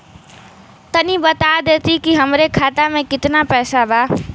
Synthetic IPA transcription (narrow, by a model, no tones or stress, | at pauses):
t̪ənibət̪ad̪et̪ikiɦəmɾekʰat̪amẽkɪt̪napɛːsaba